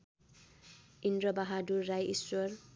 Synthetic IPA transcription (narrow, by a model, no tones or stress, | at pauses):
indɾʌbaɦadurːajʔiswʌr